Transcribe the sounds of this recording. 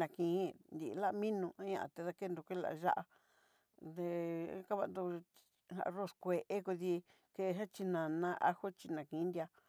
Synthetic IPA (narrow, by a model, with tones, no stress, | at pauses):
ã˨kĩ˨˦nd̪i˨ʔla˦ʔmĩ˦nũ˧ã˦ɲã̰˧ʔa̰˧˨t̪e˧ða˧ke˦nd̪ũ˧kʷe˦la̰˨˧ʒa̰˦ʔa˧ | d̪ḛ̃˧˦ka˦βa̰˧nd̪u˧ | hã̰˧ʔro˧˨skʷe˨ʔe˦ku˧ði˧ | ke˧ɦã˦t͡ʃi˧nã˨nã˦ʔa̰˦ho˦t͡ʃi˧nã˨kĩ˨˦nd̪ʲa˧